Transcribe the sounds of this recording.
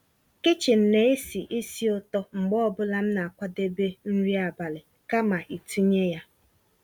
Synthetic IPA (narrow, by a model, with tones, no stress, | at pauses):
ke˦t͡ʃɪ˨n̩˨ne˦e˦si˨ʔe˦si˦ʊ˦tɔ˦ŋ͡m̩˨ɡ͡bɔ˦ɔ˦bʊ˦la˦m̩˦na˨a˨kʷa˦de˦be˦n̩˦ɾi˦a˨ba˨lɪ˨ | ka˦ma˨ʔi˨tu˦ɲe˦ja˦